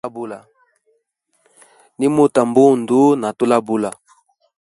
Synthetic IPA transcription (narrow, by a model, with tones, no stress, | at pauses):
bu˦la˨ | ni˦mo˦ta˨mbo˦˨ndo˦na˨to˦la˦bu˦la˨